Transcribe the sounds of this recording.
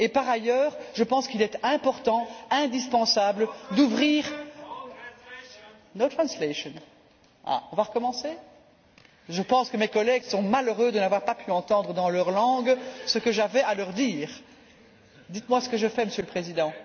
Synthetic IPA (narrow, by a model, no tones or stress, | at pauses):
epaʁajœːʁʒəpɑ̃skilɛt̪ɛ̃pɔʁt̪ɑ̃ɛ̃d̪ispɑ̃sabləd̪uvʁiːʁ | not̪χɑ̃sleʃɔn | a̰ɔ̃vaʁəkɔmɑ̃se | ʒəpɑ̃skəmekɔlɛɡsɔ̃maløʁød̪ənavwaʁpapyɑ̃t̪ɑ̃d̪ʁəd̪ɑ̃lœʁlɑ̃ɡsəkəʒavɛalœʁd̪iːʁ | d̪it̪mwasə̥kəʒəfɛməsjøləpχezid̪ɑ̃